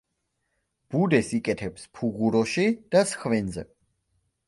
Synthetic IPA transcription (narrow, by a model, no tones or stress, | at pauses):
b̥ud̪ɛsikʼɛt̪ʰɛpspʰuɣuɾɔʃid̪̥asχvɛnzɛ̰